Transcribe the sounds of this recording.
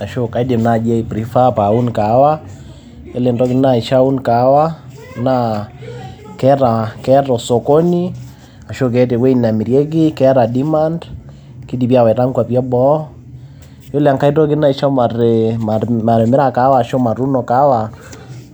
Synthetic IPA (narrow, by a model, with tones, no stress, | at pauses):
a˨ʃo˦ka˨i˦di˨mna˦˨d͡ʒɛ˦i˨pɾi˦fa˦pa˨u˦nka˨˦wa˦ | jo˦le˨ndɔ˦ɡɪ˦na˦i˨ʃa˦u˦nka˨˦wa˦ | na | kɛ˦ɾa˨kɛ˦tɔ˨so˨ko˦ni˦ | a˨ʃo˦k̬ɛ˦tɛ˨we˦ina˨mi˨ɾjɛ˦ɡi˦kɛ˦ɾa˨di˦ma˦nd | ki˦di˨pi˦a˦˨wɛ˨ɾa˦ŋkwa˨piɛ˦bɔ˦ | jo˦lea˨ŋka˦i˦tɔ˦ɡi˦na˦i˨ʃa˦ma˨ɾema˨ɾɛ˨mɛ˦ɾa˦ka˦waː˦˨ʃo˦ma˨ɾu˦nɔ˨ka˦wa˨